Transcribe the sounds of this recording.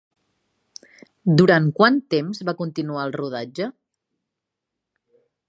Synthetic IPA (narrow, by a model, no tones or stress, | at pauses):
d̪uɾankwant̪emzβakunt̪inuaəlˠruðad͡ʒə